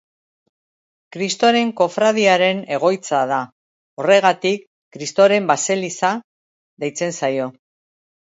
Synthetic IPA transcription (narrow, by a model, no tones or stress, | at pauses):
kɾist̪o̞ɾe̞ŋko̞fɾaðiaɾe̞ne̞ɣ̞o̞jt͡saða | o̞re̞ɣ̞at̪ikː | ɾist̪oɾe̞mbase̞lisa | ðejt͡se̞nsajo̞